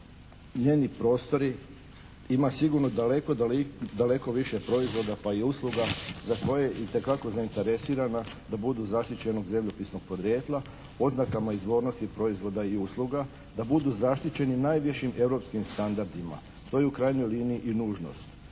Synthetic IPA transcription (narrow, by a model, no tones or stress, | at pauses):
ɲeːnipɾo̞ːst̪o̞ɾi | imasiɡuɾnod̪alekod̪ale̞ko̞ʋiʃe̞pɾo̞izʋo̞d̪apaiuslˠuɡazako̞jejit̪e̞kako̞zaint̪e̞ɾe̞siːɾanad̪abud̪uzaʃt̪it͡ɕe̞no̞ɡze̞mʎopisno̞ɡ̥̚po̞d̪ɾje̞ːt̪lˠa | o̞znakamaizʋo̞ːɾno̞st̪ipɾo̞izʋo̞d̪aiuslˠuɡa | d̪abud̪uzaʃt̪it͡ɕe̞ninaːjʋeʃimʔe̞vɾo̞pskimst̪and̪aɾd̪ima̰ | ʃt̪o̞jeukɾajɲo̞jliːniiʔinuːʒno̞̰st̪